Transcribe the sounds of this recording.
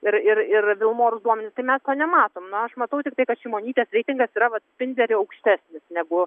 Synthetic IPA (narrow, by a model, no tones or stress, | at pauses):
ɪɾɪrɪrʋʲɪlˠmoːɾʊsd̪uɔmʲɛnʲɪst̪ɐɪmʲɛst̪oːnʲɛmɑːt̪oːmnʊɐʃmɐt̪ɐʊt̪ʲɪk̚t̪ɐɪkɐt̪ʃʲiɪmoːnʲiːt̪ʲeːsʋʲɛɪt̪ʲɪŋɡɐsiːɾɐʋɐt̪sʲpʲɪnʲd̪ʲɛɾʲɪɐʊkʃʲt̪ʲæːsʲnʲɪsnʲɛɡʊ